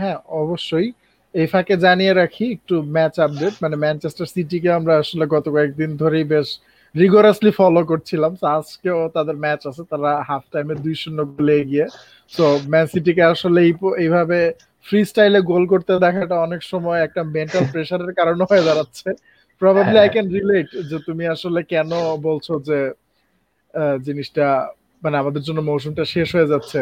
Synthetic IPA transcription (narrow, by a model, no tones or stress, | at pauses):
ɦɛ̃ɔboʃːoj | ejfaked͡ʑanijeɾakʰiek̚ʈumɛt͡ɕap̚ɖeʈmanemɛnt͡ɕesʈaɾsiʈik̬eamɾaaʃoleɡɔt̪okɔek̚d̪ind̪ʱoɾejbeʃ | ɾiɡoɾaslifɔlok̬oɾt͡ɕʰilamsoaskeot̪ad̪eɾmɛt͡ɕasʰet̪aɾaɦap̚ʰʈajmed̪ujʃonːoɡoleeɡije | t̪omɛnsiʈ̬ik̬eaʃoleejpejbʱabe | fɾisʈajleɡolk̬oɾt̪ed̪ɛkʰaʈaɔnekʃɔmɔeɛk̚ʈameɳʈalpɾeʃaɾeɾkaɾoneɦoed̪aɾat̪ːɕʰe | pɾɔbʱabliajkɛnɾileʈd͡ʑet̪umiaʃolekɛnobolt͡ɕʰod͡ʑe | d͡ʑiniʃʈa | maneamad̪eɾd͡ʑonːomoʃumʈaʃeʃɦoed͡ʑatːɕʰe